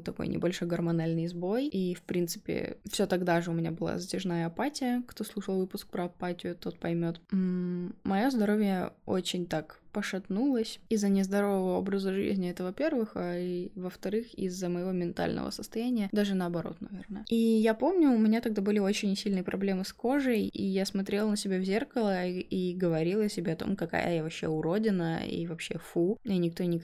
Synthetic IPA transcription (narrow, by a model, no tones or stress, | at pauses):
t̪ːɐko̰jnʲʔɪ̰bɐlʲʂo̞jɡərmɐnalʲnɨjzbo̞jifpɾʲint̪sɨ̥pʲɪ̰fsʲo̞t̪ɐɡd̪aʐɨʊmʲɪnʲabɨlˠa̰zətʲɪʐnajəɐpatʲɪjəkt̪o̞slˠuʂəlˠvɨpʊsk̚pɾəɐpatʲɪjʊt̪o̞t̪̚pɐjmʲo̞t̪m̩mɐjo̞zd̪ɐɾo̞vʲjəo̞̰t͡ɕɪnʲt̪akpəʂɐt̪nulˠəsʲizːənʲɪzd̪ɐɾo̞vəvəo̞̰bɾəzəʐɨ̰zʲnʲɪɛt̪əvɐpʲe̞rvɨxaivəft̪ɐɾɨxḭzːəməjɪvo̞mʲɪnt̪a̰lʲnə̰və̰səst̪ɐjænʲɪjəd̪aʐɨnəɐbɐɾo̞̰t̪nɐ̰vʲe̞̰rnəəijapo̞mnʲʊʊmʲɪnʲat̪ɐɡ̚d̪abɨlʲɪo̞t͡ɕɪnʲsʲilʲnɨjəpɾɐ̰blʲe̞mɨsko̞ʐəjḭjasmɐt̪ɾʲelˠnəsʲɪbʲavzʲe̞rkəlˠəiɡəvɐɾʲilˠəsʲɪbʲeɐt̪o̞̰mkɐka̰jə̰javɐpɕːe̞̰ʊɾo̞dʲɪnəḭvɐpɕːe̞̰fuinʲɪk̚t̪onʲɪk